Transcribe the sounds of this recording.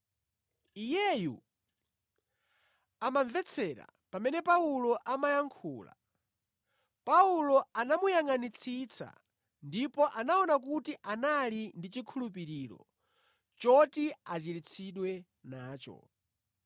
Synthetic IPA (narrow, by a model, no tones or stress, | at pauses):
ijɛjṵ | amaɱvɛt͡sʰɛɾa̰ | pamɛnɛpaulɔʔamajaŋkʰṵːla̰ | paulɔanamujaŋanit͡sʰit͡sʰa̰ | ndipɔʔanaɔnak̬utiʔanalindit͡ʃikʰulup̬iɾiːɾɔ̰ | t͡ʃɔtiat͡ʃiɾit͡sʰiɗwɛ | naːt͡ʃɔ̰